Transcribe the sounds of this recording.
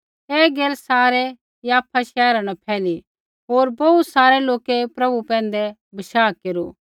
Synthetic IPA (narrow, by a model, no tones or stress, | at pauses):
ɛːɡeːlsaːɾɛ | jaːpʰaʃɛːɾãnɐpʰɛːli | ɦoːɾbɐut̪saːɾɛloːkepɾɐbupɛ̃ːn̆d̪ɛ | bɐʃaːkeːɾṵ